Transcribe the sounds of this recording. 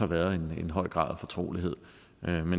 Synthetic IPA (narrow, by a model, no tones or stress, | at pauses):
hɑ̈ʋæːɐðˠe̝ne̝nɦɒ̽ɪ̰ɡ̥ʁɑ̰̈ːðˠæfɒ̽t͡sʰʁo̝̰ːliɦe̝ð̞̰ˠ | ʔømen